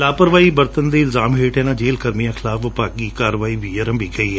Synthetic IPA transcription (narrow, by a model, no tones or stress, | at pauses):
laːpəɾʋaːiːbəɾt̪ənd̪eːlzaːmɦeːʈɛːnãːd͡ʒeːlkəɾmijãːkʰɪlaːfʋəpaːɡiːkaːɾəʋaːiːʋiːəɾə̃mbʱiːkəiːɛː